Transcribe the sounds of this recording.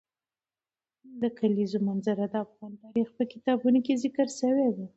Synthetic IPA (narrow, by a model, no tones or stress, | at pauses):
d̪əkalizomanzaɾad̪əafɣɑnt̪ɑɾixpəkɪt̪ɑbunokezɪkəɾsəwew̪e